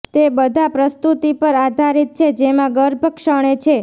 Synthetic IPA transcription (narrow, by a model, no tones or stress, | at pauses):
t̪ebəd̪ʱapɾəst̪ut̪ipəɾad̪ʱaɾit̪̚t͡ʃʰed͡ʒemãɡəɾbʱəkʃəɳ̃et͡ʃʰe